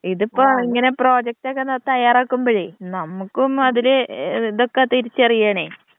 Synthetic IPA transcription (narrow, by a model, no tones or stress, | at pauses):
iðupːoːiŋːɐne̞pro̞ːd͡ʑɐk̚ʈokːenɐt̪ɐjaːraːkːumbɐɻinɐmːukːumɐðileiðo̞kːet̪iɾit͡ɕːɐrijaːɳe